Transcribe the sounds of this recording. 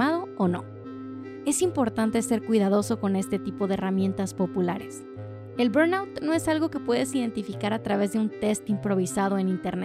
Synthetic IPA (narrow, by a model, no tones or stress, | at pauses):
aðo̞ono̞̰ | e̞simpo̞ɾt̪ant̪e̞se̞ɾkwiðaðo̞so̞ko̞ne̞st̪e̞t̪ipo̞ðeːramje̞nt̪aspo̞pulaɾe̞s | e̞lbeɾnawt̪no̞e̞salɣo̞ke̞pwe̞ðe̞siðe̞nt̪ifikaɾat̪ɾaβ̞e̞zðe̞unt̪e̞st̪impɾo̞βisað̞o̞e̞nint̪eɾne